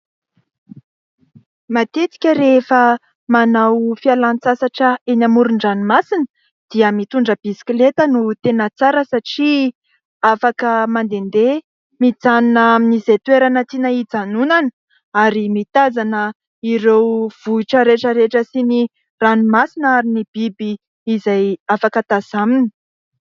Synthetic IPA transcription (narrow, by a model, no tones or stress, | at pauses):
mat̪et͡si̥kʲəɾefə | manawfialant͡sasaʈ͡ʂəenamuɾuɳɖ͡ʐanumasinə | d̪̥iəmit̪uɳɖ͡ʐəb̥isi̥klet̪ənut̪enət͡saɾəsaʈ͡ʂi | afakəmand̪end̪e | mid͡zanunaminizet̪weɾanət̪inaid͡zanunanə | aɾimit̪azanə | iɾewv̥uiʈ͡ʂəɾeʈ͡ʂəɾeʈ͡ʂəsini | ranumasinəaɾinib̥ibiː | zajafakət̪azaminə̥